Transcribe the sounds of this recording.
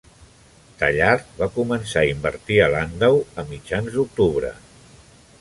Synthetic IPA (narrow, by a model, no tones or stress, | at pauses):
t̪aʎaɾβakumənsaimbə̰ɾt̪iəland̪əwəmid͡ʒanzd̪uk̚t̪uβɾə̰